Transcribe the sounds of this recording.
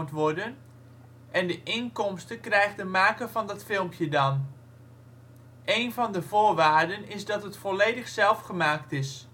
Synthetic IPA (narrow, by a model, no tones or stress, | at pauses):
ntʋɔɹdən | ʔɛndəʔɪnkɔmstəkrɛjχdəmaːkəvɑndɑtfɪlˠmpjədɑn | ʔejnvɑndəvʊːɹʋaːɹdənɪzdɑtɦətfɔlejdəχsɛlˠfχəmaːktɪs